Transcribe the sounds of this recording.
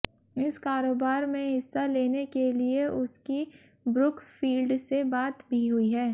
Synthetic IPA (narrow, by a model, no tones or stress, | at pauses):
ɪskaːɾoːbaːɾmẽɦɪsːaleːnekelieʔʊski | bɾʊkfiːlɖsebaːt̪bʱiɦʊiɦɛː